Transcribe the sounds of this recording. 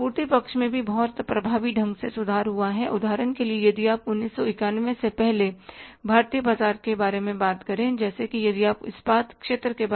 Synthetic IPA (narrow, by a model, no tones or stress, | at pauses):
puːɾt̪ipɐkʃmẽbʱibɔɦɔt̪pɾɐbʱaːʋiɖʱɐ̃ŋɡsesʊd̪ʱaːɾɦuaɦɛʔʊd̪ʱaːɾənkeliejɐd̪ʱiaːpʊnːiːsːɔɪkaːnʋẽsepɛɦlebʱaːɾt̪ijəbaːzaːɾkebaːɾemẽbaːt̪kɐɾẽd͡ʒɛːsekijɐd̪iaːpɪ̰sbaːt̪kʃeːt̪ɾəkeb